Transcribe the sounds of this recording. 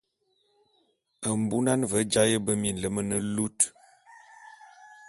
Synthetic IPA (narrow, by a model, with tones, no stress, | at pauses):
ə˨m̩˨bu˦na˦nvə˨˦d͡ʒa˦jə˦bə˦mi˨n̩˨lə˦mə˦nə˦lu˦t